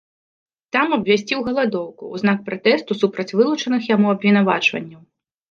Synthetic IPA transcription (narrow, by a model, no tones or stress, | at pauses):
t̪amɐbvʲasʲt͡sʲiwɣɐlˠad̪ɔwkṵuznak̚pɾat̪ɛst̪usupɾɐt͡sʲvɨlˠut͡ʂɐnɨxjamuɐbvʲin̪ava̰t͡ʂvɐ̰nʲːɐw